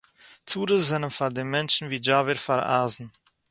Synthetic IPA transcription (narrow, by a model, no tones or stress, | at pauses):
t͡suːɾəzzɛnənfaɾd̪enmɛnʃn̩viːd͡ʒaːvəɾfaɾa̰ːzn̩